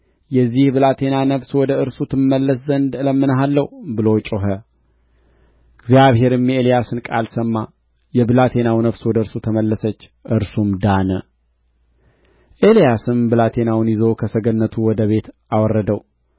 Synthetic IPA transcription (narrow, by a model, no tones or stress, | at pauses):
jɛzːihbɨlat̪ʰe̞nanəfswɔd̪əɨɾsut̪ʰɨnːəlːəszənd̪ɨləmːɨnɦalːəhbɨlo̞t͡ʃʼoɦə | ɨɡzijaβhɦe̞ɾɨme̞lijasɨnkʼalsəmːa | jɛbɨlat̪ʰe̞nawnəfswɔd̪əɨɾsut̪ʰəməlːəsət͡ʃː | ʔɨɾsumd̪anə | ʔelijasɨnbɨlat̪ʰe̞nawnjɪzo̞kʰəsəɡənːət̪ʰuwɔd̪əβe̞t̪ʔawɔrːəd̪əw